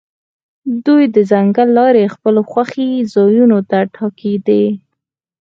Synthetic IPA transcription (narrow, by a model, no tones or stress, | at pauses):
d̪ujd̪əzaŋɡalːɑɾexpəloxwaxizɑjunot̪aʈʰɑked̪e